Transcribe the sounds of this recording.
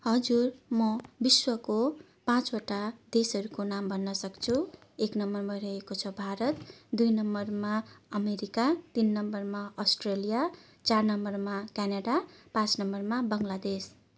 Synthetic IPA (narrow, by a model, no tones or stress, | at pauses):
ɦʌd͡zurmʌbiswʌko | pãt͡soʈad̪esʌɾukonambʱʌnːʌsʌkt͡sʰueknʌmːʌrmʌrʌɦekot͡sʰʌbʱaɾʌt̪d̪ujnʌmʌrmaʌmeɾikat̪inːʌmbʌrmaʌsʈrelija | t͡sarnʌmʌrmakanaɖapãt͡snʌmʌrmabʌŋlad̪es